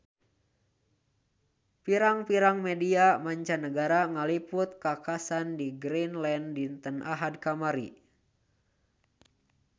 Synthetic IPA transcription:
piɾaŋpiɾaŋmediamaɲt͡ʃanəɡaɾaŋalipʊt̪̚kakasandiɡɾinlɛndint̪ənʔaɦad̚kamaɾḭ

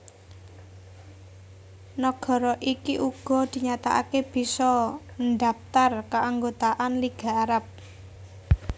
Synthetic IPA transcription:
nɔɡ̥ɔ̤ɾɔʔikiʔuɡ̥ɔ̤d̪̥i̤ɲat̪a̰ʔa̰keb̥i̤sɔnɖ̪ap̚t̪arkaʔaŋɡot̪aʔanliɡ̥a̤ːɾap̚

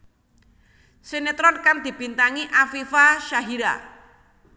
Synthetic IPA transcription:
senet̪ɾɔnkaŋd̪̥i̤b̥int̪aŋiʔafifaʃaɦiɾa̰

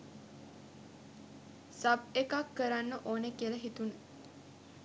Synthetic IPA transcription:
sab̚ekakːəɾanːəʔoːnəkiələɦit̪unə

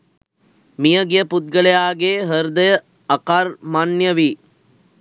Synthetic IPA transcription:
mijəɡijəput̪̚ɡəlejaːɡeːɦəɾd̪əjə | ɐkarmanjəʋi

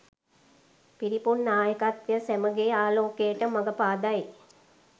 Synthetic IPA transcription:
piɾipunːaːjəkat̪ʋjəsæməɡeːaːloːkejəʈəmaɡəpaːd̪aj

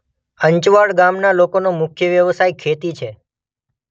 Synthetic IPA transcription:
əɲt͡ʃʋaɭɡamnalokonomʊkʰjəʋjəʋsajkʰet̪it͡ʃʰe

